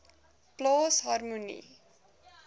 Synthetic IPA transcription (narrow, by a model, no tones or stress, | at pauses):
ploːsɦarmunḭ